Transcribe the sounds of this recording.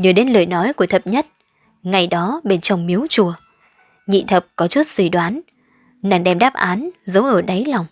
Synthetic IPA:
ɲɨː˨˩ɗe˨˦nlɨ̰ː˨jnɔ˨˦jku˧˩ət̪ʰə˨˩p̚ɲə˦˥t̚ | ŋa˨˩jɗɔ˨˦ɓe˧˩nt͡ɕɔ˨˩wŋ͡mmi˨˦əwt͡ɕu˧˩ə | ɲḭ˧˨t̪ʰə˨˩p̚kɔ˨˦t͡ɕu˦˥t̚swi˧˩ɗwaː˨˦n | na˧˩ŋɗɛ˧˩mɗaː˦˥p̚ʔaː˨˦nzə˨˦wʔəː˧˩ɗa˨˦jla˨˩wŋ͡m

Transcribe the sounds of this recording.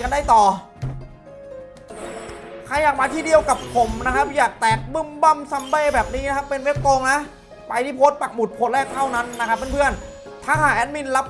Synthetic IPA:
ka˧nda˥˩jt̪ɔː˨˩ | kʰa˧˩jːaː˨˩k̚maː˧iː˥˩di˧əwka˨˩p̚pʰo˨˩˦mna˦˥kʰa˦˥p̚jaː˨˩k̚t̪ɛː˨˩k̚bɯ˥˩mba˥˩msa˧mbeː˥˩bɛː˨˩p̚niː˦˥n˦kʰa˦˥pːe˧nwe˦˥p̚t̪oː˧ŋna˦˥ʔ | pa˧jt̪iː˥˩pʰoː˦˥t̪̚pa˨˩k̚bu˨˩t̪̚pʰoː˧˦t̚lɛː˥˩k̚t̪ʰa˥˩wna˦˥nːa˦˥kʰpːe˧npʰɯ˥˩ən | t̪ʰaː˧˥˩kʰaː˨˩ʔɛː˦˥n̚mi˧˥˩nla˦˥p̚

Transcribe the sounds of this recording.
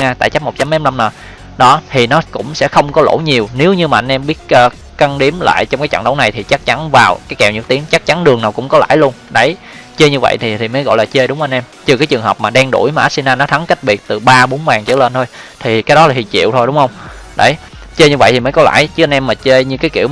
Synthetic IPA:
aː˧t̪a̰ː˧˩t͡ɕa˦˥p̚mo˨˩t̚t͡ɕa˨˦mɛ˨˦mla˧mnəː˨˩ | ɗɔ˨˦t̪ʰi˨˩nɔ˨˦kʊ̰˧˥ŋ͡msɛ̰˧˥xə˧wŋ͡mkɔ˨˦lo̰˧˩˦ɲi˨˩əwne˨˦wɲɨ˧maː˨ʔnʔɛ˧mɓi˦˥ət̚ʔəː˧ | ka˧nɗi˨˦əmla̰ː˧˨jt͡ɕɔ˧wŋ͡mkaː˨˦jt͡ɕə̰˧˨ŋɗə˨˦wna˨˩jt̪ʰi˨˩t͡ɕa˦˥k̚t͡ɕa˨˦nvaː˨˩wkaː˨˦jkɛ˨˩wɲɨ̰˨˩k̚t̪i˨˦əŋt͡ɕa˦˥k̚t͡ɕa˨˦nɗɨ˨˩əŋnaː˨˩wkʊ̰˧˥ŋ͡mkɔ˨˦la̰ː˧˥jlu˧ənɗə˧˩j | t͡ɕe˧ɲɨ˧və̰˧˨jt̪ʰi˨˩t̪ʰi˨˩məː˨˦jɣɔ̰˧˨jlaː˨˩t͡ɕe˧ɗʊ˨˦ŋ͡mʔa˧nʔɛ˧mt͡ɕɨ˨˩kaː˨˦jt͡ɕɨ˨˩ŋɦəː˨˩p̚maː˨˩ɗɛ˧ŋɗṵ˧˩jmaː˨˩ʔaː˦˥si˧naː˧nɔ˨˦t̪ʰa˨˦ŋka˦˥k̟̚ɓi˨˩ət̚t̪ɨ˨˩ɓaː˧ɓo˨˦ənvaː˨˩ŋt͡ɕə̰˧˩lə˧nt̪ʰo˧jt̪ʰi˨˩kaː˨˦jɗɔ˨˦laː˨˩hḭ˨˩ət͡ɕḭ˧˨əwt̪ʰo˧jɗʊ˨˦ŋ͡mhə˧wŋ͡m | ɗə˨˦˩j | t͡ɕe˧ɲɨ˧və˧˨t̪ʰi˨˩məː˨˦jkɔ˨˦la̰ː˧˩jt͡ɕɨ˦˥ʔnʔɛ˧mːaː˨˩t͡ɕe˧ɲɨ˧kaː˨˦jkḭ˧˨əw

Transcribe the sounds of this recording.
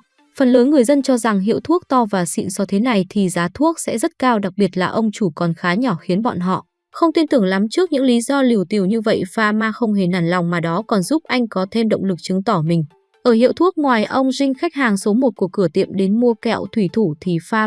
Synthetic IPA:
fə˨˩nləː˨˦nŋɨ˨˩əjzə˧nt͡ɕɔ˧za˨˩ŋɦḭ˧˨əwt̪ʰu˦˥ək̚t̪ɔ˧vaː˨˩sḭ˧˨nsɔ˨˦t̪ʰe˨˦na˨˩jt̪ʰi˨˩zaː˨˦t̪ʰu˦˥ək̚sɛ̰˧˥zə˦˥t̚kaː˧wɗa˨˩k̚ɓi˨˩ət̚laː˨˩ʔə˧wŋ͡mt͡ɕu˧˩kɔ˨˩nxaː˨˦ɲɔ˧˩xi˨˦ənɓɔ̰˧˨nɦɔ̰˧˨ | xə˧wŋ͡mt̪i˧nt̪ɨ˨˩əŋla˨˦mt͡ɕɨ˦˥ək̚ɲɨ̰˧˥ŋli˨˦zɔ˧li˨˩əwt̪i˨˩əwɲɨ˧və̰˧˨jfaː˧maː˧xə˧wŋ͡mɦe˨˩naː˨˩nla˨˩wŋ͡mmaː˨˩ɗɔ˨˦kɔ˨˩nzu˦˥p̚ʔa˧jŋ̟kɔ˨˦t̪ʰe˧mɗə̰˧˨wŋ͡mlɨ˨˩k̚t͡ɕɨ˨˦ŋt̪ɔ˧˩mï˨˩ŋ̟ | ʔəː˧˩ɦḭ˧˨əwt̪ʰu˦˥ək̚ŋwaː˨˩jʔə˧wŋ͡mzï˧ŋ̟xa˦˥jk̟̚haː˨˩ŋso˨˦mo˨˩t̚ku˨˩əkːɨ˧˩ət̪ḭ˧˨əmɗe˨˦nmu˧əkɛ̰˧˨wt̪ʰwi˧˩t̪ʰu˧˩t̪ʰi˨˩faː˧

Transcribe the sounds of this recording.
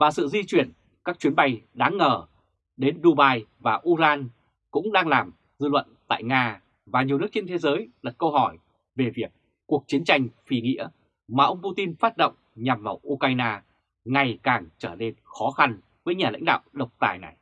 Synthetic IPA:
vaː˨˩sɨ̰˧˨zi˧t͡ɕwi˨˧˩ən | kaː˦˥k̚t͡ɕwi˨˦nɓa˧jɗaː˨˦ŋːəː˨˩ | ɗe˨˦nɗu˧ɓaː˧jvaː˨˩ʔu˧laː˧n | kʊ̰˧˥ŋ͡mɗaː˧ŋlaː˨˩m | zɨ˧lwə̰˧˨nt̪a̰ː˧˨jŋaː˧ | vaː˨˩ɲi˨˩nɨ˦˥ək̚t͡ɕe˧nt̪ʰe˨˦zəː˨˦jlə˨˩kə˧wɦɔ˧˩j | ve˨˩vi˨˩ək̚ː | u˨˩ək̚t͡ɕi˨˦ənt͡ɕa˧jŋ̟fi˧˩ŋḭ˧˥ə | maː˨˩ʔə˧wŋ͡mpu˧t̪i˧nfaː˦˥t̚ɗə̰˧˨wŋ͡mɲa˨˩mvaː˨˩wʔu˧ka˧jnaː˧ | ŋa˨˩jkaː˨˩ŋt͡ɕəː˧˩ne˧nxɔ˨˦xa˧n | vəː˨˦jɲaː˨˩la̰˧˥jŋ̟ɗa̰ː˧˨wɗə˨˩wk͡p̚t̪a̰ː˧˩jna̰˨˩j

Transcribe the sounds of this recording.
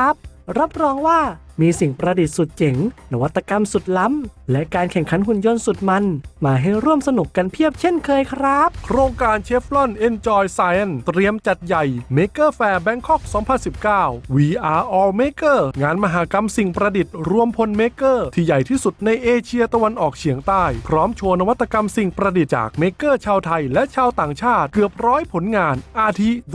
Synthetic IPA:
a˦˥p̚ɾa˦˥p̚ɾɔː˧ŋwaː˥˩miː˧si˨˩ŋpɾa˧di˨˩t̪̚su˨˩t̪̚t͡ɕe˩˦ŋna˦˧˥wa˦˥t̪ːa˧ka˧msu˨˩t̪̚la˦˥mlɛ˦˥ʔkaː˧nkʰɛ˨˩ŋkʰa˩˦nhu˨˩njo˧nsu˨˩t̪̚ma˧nmaː˧ɦa˥˩jɾu˥˩əmsa˧nu˨˩kːa˧npʰi˥˩əp̚t͡ɕʰe˥˩nkʰɤː˧jkʰɾa˦˥p̚kʰɾoː˧ŋkaː˧nt͡ɕʰe˦˥p̚lɔ˥˩nʔe˧nt͡ɕɔː˧jsaː˧jʔa˥˩nt̪ɾi˧əmt͡ɕa˨˩t̪̚ja˨˩jmeː˧˥kɤː˥˩fɛː˧bɛ˦˥ŋkʰɔ˥˩k̚sɔː˩˦ŋpʰa˧nsi˨˩p̚kaː˥˩wwiː˧ʔaː˧ʔɔː˧meː˦˥kɤː˥˩ŋaː˧nma˧ɦaː˩˦ka˧msi˨˩ŋpɾa˧di˨˩t̪̚ɾu˧əmpʰo˧nmeː˦˥kɤː˥˩t̪ʰiː˧˩ja˨˩jt̪ʰiː˥˩su˨˩t̪̚na˧jʔeː˧t͡ɕʰi˧ət̪a˧wa˧nʔɔː˨˩k̚t͡ɕʰi˨˩˦əŋt̪aː˥˩jpʰɾɔː˦˥mt͡ɕʰo˧nːa˧wa˦˥t̪ʰːa˧ka˧msi˨˩ŋpɾa˧di˨˩t̪̚t͡ɕa̰ː˨˩k̚meː˧˥kɤː˥˩t͡ɕʰaː˧wt̪ʰa˧jlɛ˦˥ʔt͡ɕʰaː˧wt̪aː˨˩ŋt͡ɕʰaː˥˩t̪̚kɯ˨˩əp̚ɾɔː˦˥jpʰo˨˩˦nŋaː˧nʔaː˧t̪ʰi˦˥

